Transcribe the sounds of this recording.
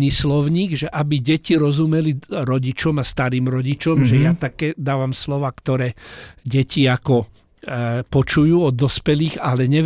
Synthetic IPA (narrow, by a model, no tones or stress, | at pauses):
ɲislɔʊɲiːɡʒɛʔabiɟɛciɾɔzumɛliɾɔɟit͡ʃɔmast̪aɾiːmɾɔɟit͡ʃɔmʒɛjat̪akɛːd̪aːʋamslɔʋaːkt̪ɔɾɛːɟɛciakɔ | pɔt͡ʃujuːɔd̪ːɔspɛliːɣalɛɲɛʋ